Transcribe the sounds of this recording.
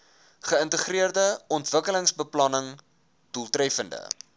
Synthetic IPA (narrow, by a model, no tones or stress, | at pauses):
χəəntəχriərdəɔntvəkələŋsbəplɐnəŋ | d̥ulˠtrɛfəndə̰